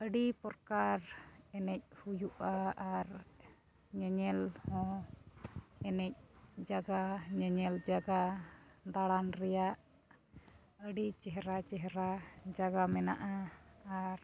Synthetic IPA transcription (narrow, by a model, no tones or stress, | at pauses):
əɖipɔɾkaɾɛnɛc̚ˀhujuʔaaɾ | ɲɛɲɛlhɔ̃ | ɛnɛc̚d͡ʒaɡaɲɛɲɛld͡ʒaɡad̪aɽanɾɛjaʔ | əɖit͡ʃɛɦɛɾat͡ʃɛɦɛɾad͡ʒaɡamɛna̰ʔaaɾ